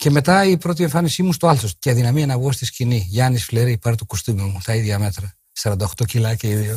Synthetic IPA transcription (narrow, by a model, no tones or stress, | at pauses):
ce̞me̞t̪ɐipɾo̞t̪̬ie̞ɱfɐnisimust̪oɐlθosceɐðinɐmiɐnɐβɣost̪isciniʝɐnisfile̞ɾipɐɾt̪okost̪umiumut̪ɐiðʝɐme̞t̪ɾɐ | sɐɾɐnd̪ɐoxt̪o̞cilɐceiðio